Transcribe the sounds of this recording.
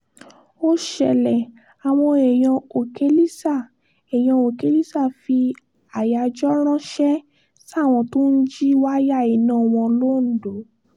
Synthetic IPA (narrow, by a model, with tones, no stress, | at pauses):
o˦ʃɛ˨lɛ˨ | a˨w̃ɔ̃˧ɛ˨j̃ã˧o˨ke˦li˦sa˦˨ | ɛ˨j̃ã˧o˨ke˦li˦sa˦˨fi˧ | a˨ja˨˧d͡ʒɔ˦ɾ̃ã˦ʃɛ˦ | sa˦˨w̃ɔ̃˧to˦n̩˦d͡ʒi˦wa˦ja˦˨i˨˦nãː˦˨w̃ɔ̃˧lo˦˨n̩˨do˨˦